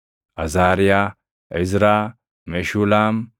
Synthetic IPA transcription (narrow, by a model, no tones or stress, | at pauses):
ʔɐzaːɾɪjaː | ʔɛzɾaː | meʃuːlaːm